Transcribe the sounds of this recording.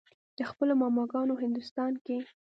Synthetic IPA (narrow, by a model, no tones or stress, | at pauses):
d̪̥əxpəlomɑmɑɡɑnoɦɪnd̪ʊst̪ɑnke